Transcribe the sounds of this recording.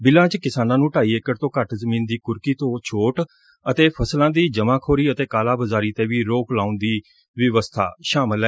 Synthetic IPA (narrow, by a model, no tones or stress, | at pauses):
bɪlãːt͡ʃkɪsaːnãːnũːʈaːiːekəɾt̪õːkəʈzəmiːnd̪iːkʊɾkiːt̪õːt͡ʃʰoːʈ | ət̪eːpʰəslãːd̪iːd͡ʒəmãːkʰoːɾiːət̪eːkaːlaːbəzaːɾiːt̪ẽːʋiːɾoːklaːʊnd̪iː | ʋɪʋəst̪ʰa̰ːʃaːməlɛː